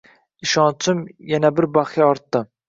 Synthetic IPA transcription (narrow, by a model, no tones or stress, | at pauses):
iʃɑnt͡ʃʰɨmjɛnɛbɪɾbɑχiɑɾt̪ːɨ